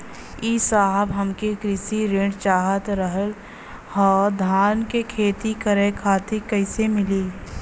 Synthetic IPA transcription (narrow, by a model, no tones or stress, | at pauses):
isaːɦəbɦɐmkekɾɪsiɾɪ̃ɖt͡ʃaːɦət̪ɾəɦəl | hɔːɾd̪ʱaːɾnkekʰeːt̪ikəɾekʰaːt̪ekɐɪsemɪliː